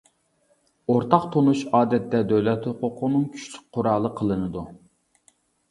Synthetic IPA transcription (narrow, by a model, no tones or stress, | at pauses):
oɾt̪ʰɑqt̪ʰonuʃɑːd̪ɛt̪ːɛd̪øwlɛt̪hʊqʰʊqʰʊnɨŋkʲʰy̥ʃly̥k̚ʲqʰʊɾɑːlˠəqʰəlˠɨnɨd̪u